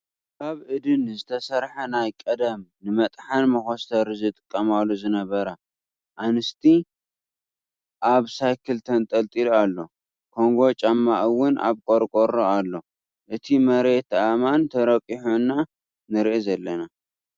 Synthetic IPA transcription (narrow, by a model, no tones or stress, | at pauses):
kʰaβʔɨd̪ɨnzɨt̪ʰɐsɐɾħɐnajkʼɐd̪ɐmnɨmɐt̪ʼħanmɐxost̪ʰɐɾɨzɨt̪ʼɨ̥kʼːɐmalːuzɨnɐβɐɾɐ | ʔanɨst̪ʰi | ʔaβsajkʰɨlt̪ʰɐnt̪ʼɐlt̪ʼiloalːo̞ | kʰo̞ŋɡo̞t͡ʃʼamːaʔɨwʊnʔa̰βkʼoɾkʼoɾoalːo̞ | ʔɨt̪ʰimɐɾe̞t̪amant̪ʰɐɾɐkʼiħonːa | nɨɾʔizɐlːɐna